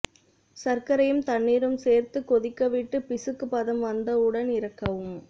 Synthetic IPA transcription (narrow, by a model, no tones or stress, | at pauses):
sɐrkɐɾɐjɯmt̪ɐɳːiːɾɯmseːrt̪ɯkːɔðɪkːɐʋɪʈːɯpɪsɯkːɯpɐðɐmʋɐnd̪ɐɯɽɐnɪɾɐkːɐʋɯm